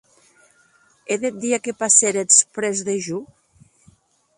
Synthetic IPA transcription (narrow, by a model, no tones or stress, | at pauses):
eðet̪̚d̪iakepaseɾespɾezðeʒu